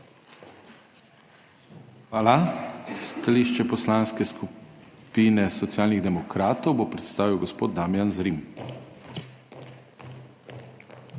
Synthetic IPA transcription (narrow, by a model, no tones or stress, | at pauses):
xʋaːlast̪aliʃt͡ʃɛpɔslanskɛskupiːnɛsɔt̪sjaːlniɣd̪ɛmɔkɾaːt̪ɔwbopɾɛt̪st̪aːʋiwɡɔspoːd̪̚d̪amjanzɾim